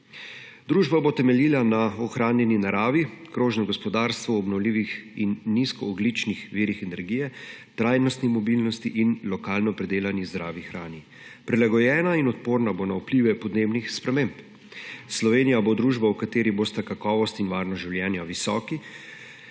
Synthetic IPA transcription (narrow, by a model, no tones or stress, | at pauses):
d̪ɾuːʒbabot̪ɛmɛliːlanaɔxɾaːnjɛninaɾaːʋikɾoːʒnɔɡɔspɔd̪aːɾst̪ʋuɔbnɔwliːʋixinːiskɔːɡlit͡ʃnixʋiːɾixɛnɛɾɡiːjɛ | t̪ɾaːjnɔst̪nimɔbilnɔst̪iʔinlɔkaːlnɔpɾɛd̪eːlanizd̪ɾaːʋixɾaːni | pɾɛlaɡɔjɛːnainɔt̪̚poːɾnabonaupliːʋɛpɔd̪neːbnixspɾɛmeːmp | slɔʋeːnijabod̪ɾuːʒbawkat̪eːɾibost̪akakɔːʋɔst̪inʋaːɾnɔʒiwljɛːnjaʋisɔːki